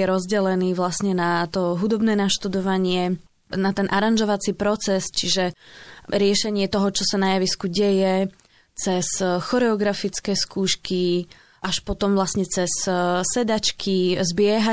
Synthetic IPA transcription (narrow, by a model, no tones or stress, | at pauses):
jɛɾɔzɟɛlɛniːʋlasɲɛnat̪ɔɦud̪ɔbnɛːnaʃt̪ud̪ɔʋaɲɪɛ | nat̪ɛnʔaɾanʒɔʋat͡sipɾɔt͡sɛst͡ʃiʒɛɾɪɛʃɛɲɪɛt̪ɔɦɔt͡ʃɔsanajaʋiskuɟɛjɛ | t͡sɛsxɔɾɛɔɡɾafit͡skɛːskuːʃki | ʔaʃpɔt̪ɔmvlasɲɛt͡sɛssɛd̪at͡ʃkʰizbɪɛɦa